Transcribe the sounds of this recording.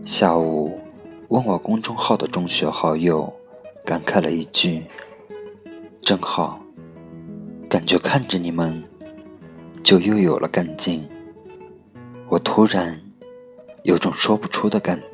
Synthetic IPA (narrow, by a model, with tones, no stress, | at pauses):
ɕja˥˩u˨˩wə˥˩nwɔ˨˩kʊ˥ŋʈ͡ʂʊ˥ŋxɑ˥˩ʊd̪ə˩ʈ͡ʂʊ˥ŋɕɥɛ˧˥xɑ˥˩ʊjo˥˩ʊ | ka˨˧˥nkʰa˥˩ɪlə̰˧i˥˩t͡ɕy˥˩ | ʈ͡ʂɤ˥ŋxɑ˥˩ʊ | ka˨˩nt͡ɕɥɛ˧˥kʰa˥˩nʈ͡ʂə˨˩ni˨˩mə˦n | t͡ɕjo˥˧ʊjo˥˩ʊjo˨˩ʊlʔə̰˦ka˥˩nt͡ɕi˥˩n | wɔ˨˩t̪ʰu˧˥ɻa˧˥n | jo˧˥ʊʈ͡ʂʊ˨˩ŋʂwɔ˥pu˧˥ʈ͡ʂʰu˥d̪ə˨ka˥˨˩n